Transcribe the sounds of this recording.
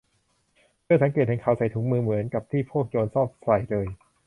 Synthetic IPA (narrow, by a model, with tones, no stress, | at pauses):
pʰɯ˧˥˩sa˨˩˦ŋke˨˩t̪̚hɛ˨˩ŋkʰaː˨˩wsa˨˩jt̪ʰuː˨˩˦ŋ̚mɯː˧mɯ˩˦ənka˨˩p̚t̪ʰiː˥˩pʰuː˥˩ək̚t͡ɕoː˧nsɔː˥˩p̚sa˨˩jlɤː˧j